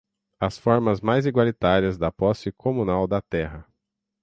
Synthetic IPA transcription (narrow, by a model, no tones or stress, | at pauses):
ɐsfɔɾmɐzmajziɡwalit̪aɾiɐzd̪ɐpɔsɪkʰomũnawd̪ɐt̪ɛɦɐ